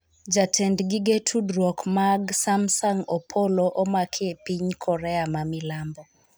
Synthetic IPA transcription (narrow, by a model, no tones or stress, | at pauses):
d͡ʒatʰɛndɡiɡetʰudɾwɔkmaɡsamsaŋɔpʰɔlɔʔɔmakʰepiɲkʰɔɾɛamamilambɔ